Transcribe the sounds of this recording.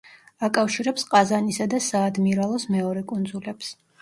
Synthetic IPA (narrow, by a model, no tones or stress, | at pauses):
akʼafʃiɾɛpsqʼazanisad̪asaːd̪miɾalˠɔsmɛɔɾɛkʼund̪zulɛps